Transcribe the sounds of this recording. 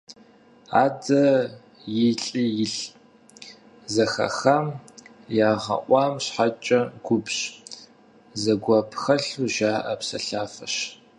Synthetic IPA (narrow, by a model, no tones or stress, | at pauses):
aːdɐ | jɪɬʼijɪɬ | zɐxɐ̰xɐm | jaːʁɐ̰ʔʷɑːmɕħat͡ʃʼɐɡʷʊbɕ | zɐɡʷɐpʰxɐɬuʒaːʔɐpsɐ̰ɬaːfɐɕ